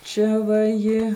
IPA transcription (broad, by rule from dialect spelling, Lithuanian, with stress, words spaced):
ˈt͡ʃʲɛ ʋɐ ˈjɪ